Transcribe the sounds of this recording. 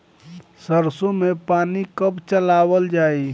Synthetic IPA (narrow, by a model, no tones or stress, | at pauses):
səɾsõmẽpaːnikəpt͡ʃəlaːwəld͡ʒaːi